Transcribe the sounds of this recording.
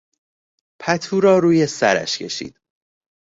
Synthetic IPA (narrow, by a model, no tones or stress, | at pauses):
pʰæt̪ʰuːɾɒːɾuːje̞sæɾæ̰ʃcʰe̞̰ʃḭːd̪̥̚